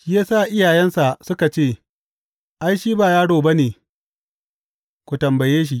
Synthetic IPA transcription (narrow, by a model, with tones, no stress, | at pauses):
ʃi˦jaː˦saː˦˨ʔɪ˦jaː˨jɛ˦nsa˨sʊ˦ka˨t͡ʃeː˦˨ | ʔa˦jʃiː˦baː˨jaː˦ɽoː˨ba˦neː˨ | kʷu˨tɐ˨mbɐ˨jeː˦ʃ̬i˨ʔ